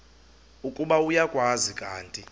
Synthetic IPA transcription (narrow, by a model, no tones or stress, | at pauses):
ukʼuɓaujakʼwazikʼaːntʼi